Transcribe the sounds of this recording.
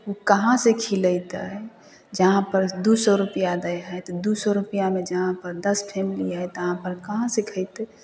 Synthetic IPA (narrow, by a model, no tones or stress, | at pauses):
ukəɦãsekʰiləjt̪ə | d͡ʒəɦãpəɾd̪usɔɾupjad̪əjɦət̪d̪usɔɾupijamed͡ʒəɦãpəɾd̪əspʰemiliət̪əɦãpəɾkəɦãsekʰəjt̪ɛ